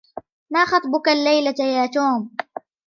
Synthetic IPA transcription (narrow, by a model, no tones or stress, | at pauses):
maːxɑt̪ˤbʊkalːajlajaːt̪oːm